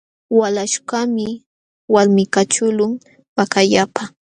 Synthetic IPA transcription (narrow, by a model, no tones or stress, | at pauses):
walaʃkamɪ | waɾmɪkat͡ʃʊlʊŋ | pakaʎapa